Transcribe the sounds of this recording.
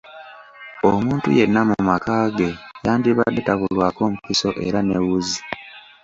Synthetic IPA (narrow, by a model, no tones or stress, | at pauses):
omuːntṵje̞nːamumakaːɡe̞jaːndiβadetaβulwaːko̞ːmukiso̞ʔḛɾanewuzi